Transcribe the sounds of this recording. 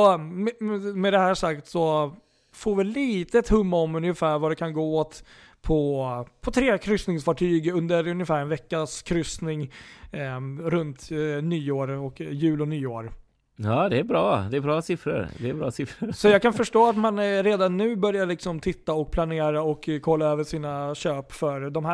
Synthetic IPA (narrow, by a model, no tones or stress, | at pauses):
sɔɛmɛd̪ɛhæːʂakt̪sɔ | foːɾvɪliːt̪əɛt̪hɵmːaɔmɵnjɪfæːɾvaɖ̪ɛkʰanɡoːoːt̪ | pʰɔpʰɔt̪ʰɾeːkʰɾʏst̪nɪŋsfɑːʈʰyːɡɵnd̪əɾɵnjəfæːɾɛnvɛkːaskʰɾʏsnɪŋ | ɾɵnt̪nyːoːɾɔkjʉ̟ːlɔnyːoːɾ | jɑːd̪ɛæbɾɑːd̪ɛbɾɑːsɪfɾə̰ɾd̪ɛːbɾɑ̰ːsɪfɾəɾsɔjɑːkanfœʂʈoːat̪manɾeːd̪anʉ̟ːbœɾjaɭɪksɔmt̪ʰɪt̪ːaɔk̚pʰlaneːɾaɔkːkʰːɔlːaøːvəʂiːnaɕøːpfœɾd̪ɔmhæ